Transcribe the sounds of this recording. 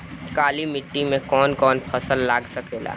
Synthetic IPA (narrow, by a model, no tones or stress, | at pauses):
kaːlimɪʈːimẽkɔːnkɔːnpʰɐsəlːaːɡsɐkeːla̰ː